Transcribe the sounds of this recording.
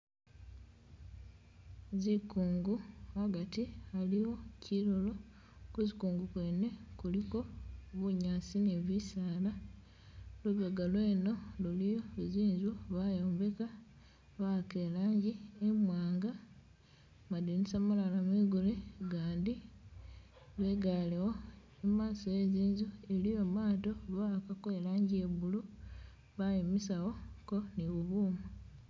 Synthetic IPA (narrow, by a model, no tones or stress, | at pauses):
zikuːŋɡuaɡatialiwo̞cʰiɾolo̞ | kuzikuːŋɡukwene̞kuliko̞βuɲaːsineβisaːla | luβoɡalwe̞ːno̞lulijoziːɲzuβajoːmbe̞ka | βakelaːɲɟiemwaːŋɡa | madinisamalalamiːɡuleɡaːndi | βe̞ɡalewo | emaːsojeziːɲzuelijo̞maːto̞βakakelaːɲɟieβulu | βajimisawo̞ko̞niβuβuːmu